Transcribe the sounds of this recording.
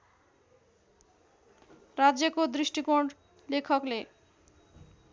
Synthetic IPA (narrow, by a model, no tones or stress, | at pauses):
ɾad͡ʑjekod̪ɾiʃʈikoɖ | lekʰɔkle